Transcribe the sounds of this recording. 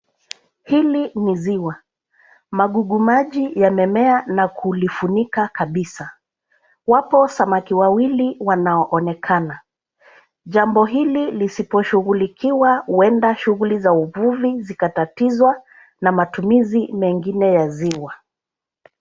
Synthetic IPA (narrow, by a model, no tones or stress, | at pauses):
hiliniziwa | maɠuɠumaʄijamɛmɛanakʰulifunikakaɓisa | wapɔsamakiwawiliwanaɔʔɔnɛkʰana | ʄambɔɦililisipɔʃuɣulikiwahuɛndaʃuɣulizauvuvizikatatizwa | namatumizimɛŋɡinɛjaziwa